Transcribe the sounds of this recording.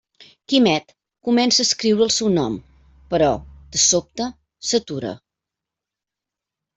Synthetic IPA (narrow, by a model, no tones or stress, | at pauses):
kimɛt̪ | kumɛnsəːskɾiwɾəːlˠsɛwnɔm | pəɾɔd̪̥əsop̚t̪ə | sət̪uɾə̰